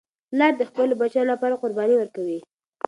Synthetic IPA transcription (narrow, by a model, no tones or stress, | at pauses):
lɑɾd̪əxpəlobat͡ʃalapɑɾaqʊɾbɑniwəɾkawi